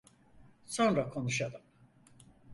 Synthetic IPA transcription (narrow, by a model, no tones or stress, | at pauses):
so̞nɾakʰo̞nuʃad̪ɯm